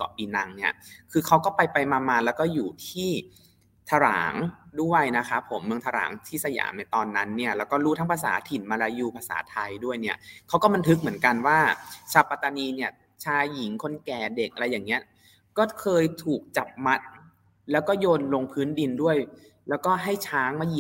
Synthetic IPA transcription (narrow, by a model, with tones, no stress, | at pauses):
kɔ̰˨˩ʔiː˧na˧ŋni˥˩ɐkʰɯː˧kʰa˦˥wkɔː˥˩pa˧jpa˧jmaː˧maː˧lɛ˦˥wkɔː˥˩juː˨˩t̪ʰiː˥˩ | t̪ʰa˧ɾa̰ː˩˦ŋdu˥˩ə˧˨˩jna˦˥kʰa˦˥pʰo̰˨˩˦mːɯ˧ŋt̪ʰa˧ɾa̰ː˩˦ŋt̪ʰiː˥˩sa˧ja̰ː˩˦mna˧jt̪ɔː˧nːa˦˥nːi˥˩ɐlɛː˦˥wkɔː˥˩ɾuː˦˥t̪ʰa˦˥pʰa˧s̬a̰ː˩˦t̪ʰi˨˩nmaː˧ɾaː˧juː˧˩pʰa˧sa̰ː˩˦t̪ʰa˧jdu˥˩əjni˥˩ɐkʰa˦˥wkɔː˥˩ba˧nt̪ʰɯ˦˥k̚mɯ˩˦ənka˧nwaː˥˩t͡ɕʰa˧˩pːa˧t̪ːa˧niː˧ni˥˩ɐ | t͡ɕʰaː˧ji˩˦ŋkʰo˧˥nkɛː˨˩de˨˩k̚ʔɾa˧jːaː˨˩ŋːni˦˥ɐ | kɔː˥˩kʰɤː˧jt̪ʰuː˨˩k̚t͡ɕa˨˩p̚ma˦˥t̪̚ | lɛː˦˥wkɔː˥˩joː˧nlo˧ŋpʰɯː˦˥ndi˧ndu˥˩əj | lɛː˦˥wkɔː˥˩ɦa˥˩jt͡ɕʰaː˦˥ŋmaː˧˥˩ji˧˨